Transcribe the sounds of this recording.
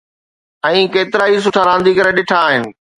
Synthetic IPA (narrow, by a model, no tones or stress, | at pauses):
ɛ̃ːkeːt̪ɪɾaːɦis̬ʊʈʰaɾãːn̆d̪ʱikɐɾeɗɪʈʰaːɦɪnɪ̆